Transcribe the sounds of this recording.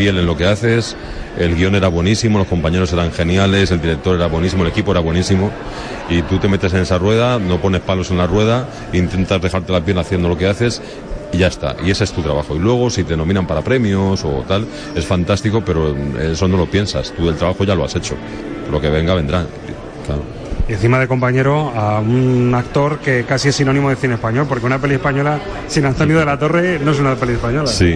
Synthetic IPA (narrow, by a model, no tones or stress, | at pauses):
fje̞le̞nlo̞ke̞aθe̞s | e̞lɣio̞ne̞ɾaβwe̞nisimo̞lo̞sko̞mpaɲe̞ɾo̞se̞ɾaŋxe̞njale̞se̞ld̪iɾe̞k̚t̪o̞ɾe̞ɾaβwenis̬imole̞kipo̞e̞ɾaβwe̞nisimo̞ | it̪ut̪e̞me̞t̪ese̞ne̞sarwe̞ð̞ano̞po̞ne̞hpalo̞se̞nlarwe̞ð̞a | int̪e̞nt̪azðe̞xaɾt̪e̞lapje̞laθje̞nd̪olo̞keaθe̞s | iʝae̞st̪a̰ʔie̞se̞st̪ut̪ɾaβaxo̞ilwe̞ɣ̞o̞sit̪eno̞mĩnampaɾapɾe̞mjoso̞t̪al | e̞sfant̪ast̪iko̞pe̞ɾoesonolo̞pje̞nsa̰st̪uelt̪ɾaβaxo̞ʝaloase̞t͡ʃo̞̰ | lo̞ke̞β̞e̞ŋɡaβe̞nd̪ɾa | klaɾo | en̟θimaðe̞ko̞mpaɲe̞ɾo̞aunakt̪o̞ɾke̞kasie̞sino̞nĩmoðeθinespaɲo̞lpo̞ɾkeunape̞lie̞spaɲo̞la | sinant̪onjoðelat̪o̞re̞noe̞s̬unapeliespaɲo̞lasi